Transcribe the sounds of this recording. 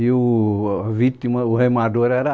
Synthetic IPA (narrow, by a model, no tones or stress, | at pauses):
iuvit̪imɐuɦemad̪oɾɛɾɐ